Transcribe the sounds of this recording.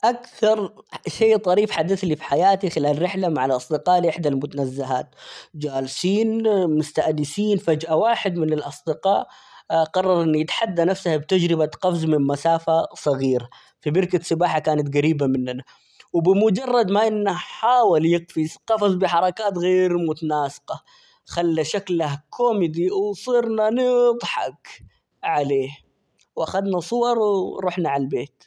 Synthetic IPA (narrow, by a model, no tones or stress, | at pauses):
ʔakθɑɾˤʃeːt̪ˤɑɾiːfħad̪aθlifi̥ħajaːt̪ixɪlaːlɾɪħlamaʕalʔɑsˤd̪ɪqɑːʔlʔɪħd̪almʊt̪anazːaɦa̰ːt̪d͡ʒaːlsiːnmʊst̪aʔd̪ɪsiːnfad͡ʒʔawaːħɪd̪mɪnɪlʔɑsˤd̪ɪqɑːʔ | qɑrˤːɑɾˤʔɪnːjɪt̪ħad̪ːanafsahabt̪ad͡ʒɾɪbaqɑfzmɪnmasaːfasˤɑɣiːɾa | fibɪɾkasˤɨbaːħakaːnat̪ɡaɾiːbamɪnːana | wbɪmʊd͡ʒɑrˤːɑd̪maʔɪnːaħaːwaljɪqfizqɑfɑzˤbɪħɑɾˤɑkaːt̪ɣeːɾmʊt̪anaːsɪ̥qɑ | xalːaʃaklahkʰomɪd̪iwsˤiɾnanɪd̪ˤħɑ̰k | ʕaleːh | wʔaxad̪nasˤʊwɑɾˤwɾuħnaʕalbeːt̪